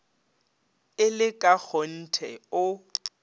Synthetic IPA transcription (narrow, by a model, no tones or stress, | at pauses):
ɪlɪkʼak͡xʰon̩tʰɛʊ